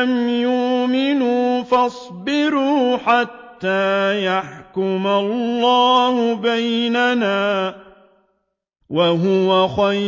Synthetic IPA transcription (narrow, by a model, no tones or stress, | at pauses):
mjʊmɪnuːfɑsˤbɪɾuːħat̪ːaːjaħkʊmalːɑːhʊbajnanaː | waɦʊwaxa